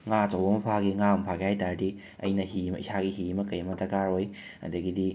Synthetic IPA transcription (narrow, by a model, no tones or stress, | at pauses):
ŋat͡ʃawbɐmɐpʰaɡiŋampʰakihajtaɾdi | ɐ̰jnɐɦimisaɡiɦimɐkɐjmɐtɐkaɾoj | ɐ̰dɐɡidi